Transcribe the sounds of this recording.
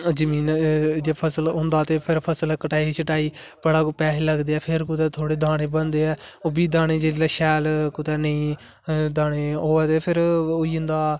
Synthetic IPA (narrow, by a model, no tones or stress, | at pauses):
d͡ʒəmiːnd̪apʰəsəlɦʊ̃nd̪aːt̪eːpʰɪɾpʰəsəlɛkəʈaːiit͡ʃʰəʈaːiː | pəɽaːkopɛːɦeːləɡd̪eːɛːpʰɪɾkʊt̪ɛːt̪ʰoːɽeːd̪aːɽ̃eːbənd̪eːɛːoːbiːd̪aːɽ̃eːd͡ʒeːilaʃɛːlkʊt̪ɛːnəĩː | d̪aːɽ̃eːɦoːɛːt̪eːpʰɪɾoiːɦʊ̃nd̪aː